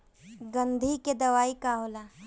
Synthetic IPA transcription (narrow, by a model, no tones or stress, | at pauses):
ɡɐ̃nd̪ʱiked̪ɐʋaːikaːɦoːlaː